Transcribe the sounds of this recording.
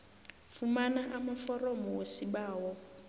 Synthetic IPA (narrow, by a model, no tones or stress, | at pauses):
fumanaʔamafɔrɔmɔwosiɓaːwɔ